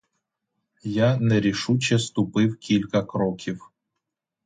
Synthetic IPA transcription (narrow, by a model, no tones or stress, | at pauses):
janɛɾʲiʃut͡ʃɛst̪ʊpɪwkʲilʲkɐkɾɔkʲʰiw